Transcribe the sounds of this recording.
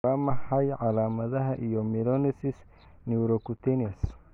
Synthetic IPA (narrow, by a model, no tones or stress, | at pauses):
amɐħɐjʕɑlaːmɐðɐɦɐʔijɔmilɔnɪsɪs | niɾɔkut̪ʰɛnis